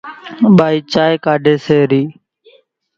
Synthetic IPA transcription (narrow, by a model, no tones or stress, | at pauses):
ɓaːiːt͡ʃaːjkaːɖʱeːseːɾiː